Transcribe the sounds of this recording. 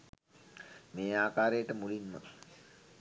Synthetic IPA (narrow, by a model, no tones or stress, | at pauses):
meːaːkaːɾejəʈəmulinmə̰